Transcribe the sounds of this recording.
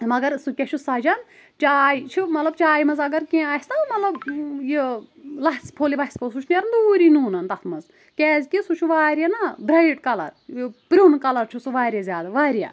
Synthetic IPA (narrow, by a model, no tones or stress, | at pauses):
mɐɡɐɾsukʲet͡ʃʰusɐd͡ʒɐn | t͡ʃaːjt͡ʃʰimɐt̪lɐb̚t͡ʃaːjmɐzɐɡɐɾkʲẽːaːst̪ɐmɐt̪lɐbjilɐɦspʰoːlibɐɦsʲkosut͡ʃʰneɾnd̪uːɾinuːnɐnt̪ɐt̪ʰmɐz | kʲɛːzʲkisut͡ʃʰuʋaːɾʲjɐnabɾɐjʈkɐlɐ̰ɾjpɾʲunkɐlɐɾt͡ʃʰusuʋaːɾʲjɐzʲaːd̪aʋaːɾija̰ː